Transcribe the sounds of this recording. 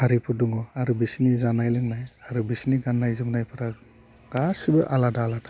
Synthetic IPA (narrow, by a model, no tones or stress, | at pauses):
haɾipʰuduŋɔaɾubisnizanajlɯŋnajaɾɯbisniɡanːajzɯbɯnajpʰɯɾa | ɡ̥asɯbɯʔaladaːladḁ